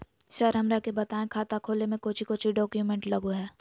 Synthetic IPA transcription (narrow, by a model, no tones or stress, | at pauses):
ʃɐɾɦɐmɾakebɐt̪aːẽkʰaːt̪akʰoːlemẽkoːt͡ʃʰikoːt͡ʃʰiɖɔːkjumẽɳʈlɐɡoɦɛː